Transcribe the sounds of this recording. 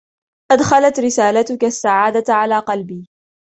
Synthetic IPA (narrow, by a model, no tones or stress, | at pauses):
ʔad̪xalat̪ɾɪsaːlat̪ʊkasːaʕaːd̪at̪ʕalaːqɑlbiː